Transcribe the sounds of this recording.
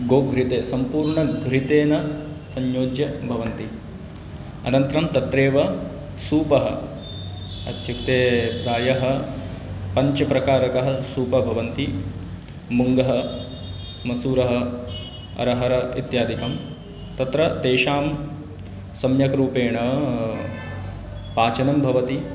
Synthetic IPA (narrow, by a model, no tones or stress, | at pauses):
ɡoːɡʱɾit̪eːsɐmpuːɾɳɐɡʱɾit̪eːnɐ | sɐɲjoːd͡ʒjɐbʱɐʋɐnt̪i | ɐ̰nɐnt̪ɾɐmt̪ɐt̪ɾeːʋɐ | suːpɐɦɐ̰ | ɐ̰d̪ʱjukt̪eːpɾaːjɐɦɐ̆ | pɐɲt͡ʃɐpɾɐkaːɾɐkɐɦɐsuːpɐbʱɐʋɐnt̪i | muŋɡɐɦɐ | mɐsuːɾɐɦɐ̆ | ɐ̰ɾɐɦɐɾɐḭt̪jaːd̪ʱikɐm | t̪ɐt̪ɾɐt̪eːʃaːm | sɐmjɐkɾuːpeːɳɐ | paːt͡ʃɐnɐmbʱɐʋɐt̪i